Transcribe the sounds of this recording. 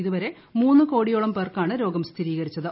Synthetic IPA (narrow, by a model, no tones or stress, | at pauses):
iðuʋɐɾe̞ | muːnːɨko̞ːɽijoːɭɐmperkaːɳɨɾo̞ːɡɐmst̪ʰiɾiːɣɐɾit͡ɕːɐðɨ